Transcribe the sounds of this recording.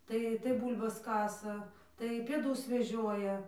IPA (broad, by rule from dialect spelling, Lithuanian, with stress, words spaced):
ˈtɐɪ tɐɪ ˈbuːlʲbɐs ˈkɑːsɐ tɐɪ pʲeːˈdʊs ʋʲɛˈʒʲoːjɛ